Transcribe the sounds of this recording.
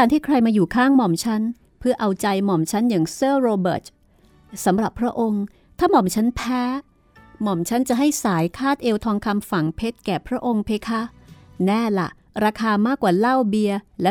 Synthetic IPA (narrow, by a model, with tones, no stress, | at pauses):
aː˧nt̪ʰiː˥˩kʰɾa˧jmaː˧juː˨˩kʰaː˥˩ŋmɔ˨˩mt͡ɕʰa˦˥n | pʰɯ˥˩ɐʔa˧wt͡ɕa˧jmɔ˨˩mt͡ɕʰa˦˥njaː˨˩ŋsɤː˥˩ɾoː˧bɤ̰ː˨˩t̪̚ | sa˩˦mɾa˨˩pʰːɾa˦˥ʔo˧ŋ | t̪ʰaː˥˩mɔ˨˩mt͡ɕʰa˦˥npʰɛː˦˥ | mɔ˨˩mt͡ɕʰa˦˥nt͡ɕa˨˩ɦa˥˩jsaː˩˦jkʰaː˥˩t̪̚ʔeː˧wt̪ʰɔː˧ŋkʰa˧mfa˨˩ŋpʰe˦˥t̪̚kɛː˨˩pʰɾa˦˥ʔo˧ŋpʰeː˧kʰa˦˥nɛː˥˩la̰˨˩ | ɾaː˧kʰaː˧maː˥˩kːwaː˨˩la˥˩wbi˧əlɛ˦˥